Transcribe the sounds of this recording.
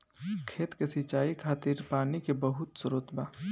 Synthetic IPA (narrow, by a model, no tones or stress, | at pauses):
kʰeːt̪kesit͡ʃaːikʰaːt̪ɪɾpaːnikebəɦʊt̪sʊɾoːt̪baː